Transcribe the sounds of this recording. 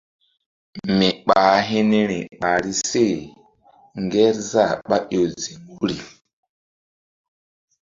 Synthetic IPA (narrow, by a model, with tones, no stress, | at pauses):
mi˨ɓa˨ɦi˦ni˦ɾi˨ɓa˨ɾi˦se˦˨ | ŋɡɛ˦ɾza˦˨ɓa˦ʔo˨zi˨mu˦ɾi˨